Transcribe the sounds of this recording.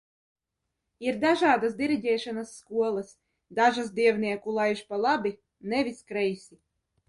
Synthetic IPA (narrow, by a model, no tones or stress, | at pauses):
iɾd̪aʒaːd̪as̬d̪ʲiɾiɟʲɛːʃanasːkuɔlˠas | d̪aʒasd̪ʲiɛvnʲiɛkulˠajʒpalˠabi | nɛvʲiskɾɛjsʲi